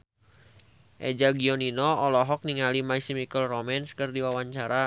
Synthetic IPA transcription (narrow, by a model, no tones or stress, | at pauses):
ʔɛ̰d͡ʒaɡiɔninɔɔlɔɦɔk̚niŋalimaisimikəlromɛnskɨrdiwawaɲt͡ʃaɾa